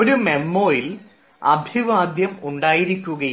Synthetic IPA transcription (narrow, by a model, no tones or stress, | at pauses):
oɾume̞mːo̞ːjil | ɐ̰bʱiʋaːd̪ʱjɐmuɳɖaːjiɾikʲːuɣɐ